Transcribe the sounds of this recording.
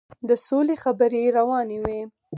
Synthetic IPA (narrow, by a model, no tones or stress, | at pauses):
d̪əsolexabəɾeɾawɑnewe